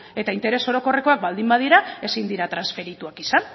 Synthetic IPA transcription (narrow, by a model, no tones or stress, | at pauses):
e̞t̪aint̪e̞ɾeso̞ɾo̞ko̞re̞ko̞ak̚bald̪imbað̞iɾae̞sind̪iɾat̪ɾansfe̞ɾit̪uakisan